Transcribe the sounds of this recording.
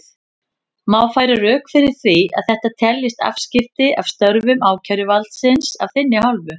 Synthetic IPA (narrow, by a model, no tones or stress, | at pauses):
maːwfaːjɾaɾœːkfɪɾɪɾ̥θvia̰ðθɛht̪at̪ʰɛljɪst̪a̰fscɪft̪ɪʔav̥st̪œɾvʏmaːwcʰœɥɾjʏvalt̪sɪnsa̰v̥θɪnːɪɦalvʏ